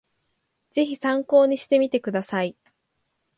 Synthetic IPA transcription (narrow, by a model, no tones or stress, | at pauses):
z̥e̞çisãŋko̞ːɲ̟iɕi̥t̪e̞mʲit̪e̞kɯ̟d̪asai